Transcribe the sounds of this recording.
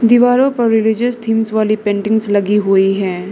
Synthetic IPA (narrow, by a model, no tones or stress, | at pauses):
d̪ɪʋaːɾõpɐɾːɪlɪd͡ʒəst̪ʰiːmsʋaːlipẽːɳʈɪ̃ŋɡzlɐɡiɦʊiɦɛ̃ː